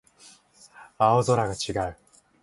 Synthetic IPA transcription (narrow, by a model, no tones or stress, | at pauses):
aozo̞ɾaɡat͡ɕiɡaɯ̟